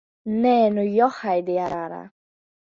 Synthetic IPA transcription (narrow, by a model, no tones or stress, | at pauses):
nɛnujɔhajd̪ɪaɾaɾa̰